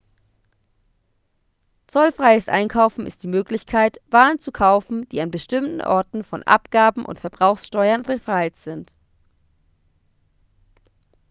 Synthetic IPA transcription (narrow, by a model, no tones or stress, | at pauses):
t͡sɔlfʁ̥aɪəsʔa̰ɪnkʰaʊfn̩ɪ̰std̥iːmøːklɪçkʰaɪtv̥aːənt͡sukʰaʊfn̩d̥ḭːanbəʃtɪmtn̩ʔɔ̰ɐtn̩fɔ̰nʔa̰pɡ̥aːbm̩ʔʊ̰ntfɛɐbʁaʊxsʃtɔʏɐnbəfʁ̥aɪtz̥ɪnt